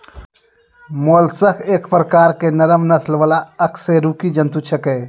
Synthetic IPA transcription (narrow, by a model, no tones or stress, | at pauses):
molsəkʰeːkʰpɾəkaːɾkenəɾəmnət̪ʰlʋəlaəkseɾuːkid͡ʒənt̪ut͡ʃʰəkeː